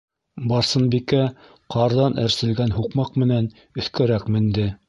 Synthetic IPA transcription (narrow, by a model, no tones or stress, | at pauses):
bɑɾsɤ̆nbikæ | qʰɑɾðɑnæɾsɘ̆lɡænɦuqmɑqmɘ̆næn | ɵ̆θkæɾækmɘ̆nd̪ɘ